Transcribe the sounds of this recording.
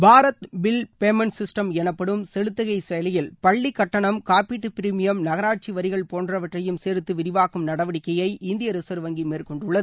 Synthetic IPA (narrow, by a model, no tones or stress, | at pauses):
bʱaːɾɐt̪bɪlpeːmɐnsɪsʈɐmɛnɐpːɐɽɯmsɛɻɯt̪ːɐɣɐɪsejlɐjɪlpɐɭːikːɐʈːɐɳɐmkaːpiːʈːɯpɪɾimɪjɐmnɐɣɐɾaːʈ̚t͡ʃiʋɐɾɪɣɐɭpoːndrɐʋɐʈrɐjɯmseːɾɯt̪ːɯʋɪɾɪʋaːkɯmnɐɽɐʋɐɽɪkːɐjɐɪʔɪnd̪ɪjɐɾɯsɐɾɯʋɐŋɡimeːrkɔɳɖɯɭːɐðɯ